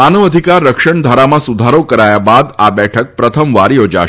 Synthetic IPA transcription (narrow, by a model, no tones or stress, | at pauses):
anəʋəd̪ʱikaɾːəkʃəɳd̪ʱaɾamãsud̪ʱaɾokəɾajabad̪abɛʈʰək̚pɾət̪ʰəmʋaɾjod͡ʒa̰